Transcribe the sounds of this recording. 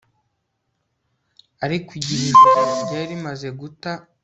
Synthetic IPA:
aɾikwiɟiɾiʒaɟaɾimaze̞ɡuta

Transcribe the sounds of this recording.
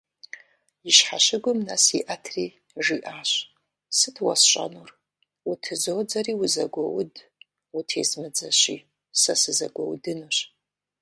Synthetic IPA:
jɪɕħaɕɪɡʷʊmnɐsiʔɐtʰriː | ʒiːʔaːɕ | sɨtʰwɐ̰sɕʼɐ̰nur | ʊtʰɨzoːd͡zɐriːwʊzɐɡʷɔwʊd | utʰeːzmɨd͡zɐɕiː | sɐsɨzɐɡʷɔwdɨnuɕ

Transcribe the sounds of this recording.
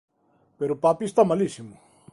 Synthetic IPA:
peɾupaːpist̪amɐlisimu

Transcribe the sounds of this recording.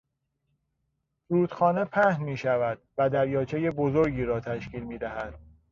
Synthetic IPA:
fɾuːt̪xɒːne̞pʰæhnmiːʃævæd̪̚væd̪æɾjɒːt͡ʃʰe̞je̞bozoɾɟiːɾɒːt̪ʰæʃciːlmiːd̪æɦæd̪̥̚

